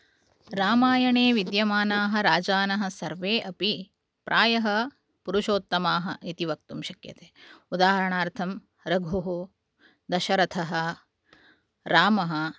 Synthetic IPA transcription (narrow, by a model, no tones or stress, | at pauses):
ɾaːmaːjɐɳeːʋid̪jɐmaːnaːɦɐ̆ɾaːd͡ʒaːnɐɦɐ̆sɐɾʋeːʔɐpi | pɾʔaːjɐɦɐ | puɾuʃoːt̪ːɐmaːɦɐʔit̪iʋɐk̚t̪umʃɐkjɐ̰t̪eːud̪aːɦɐɾɐɳaːɾt̪ʰɐm | ɾɐɡʱuɦu | d̪ɐʃɐɾɐt̪ʰɐɦɐ̆ | ɾaːmɐɦɐ̆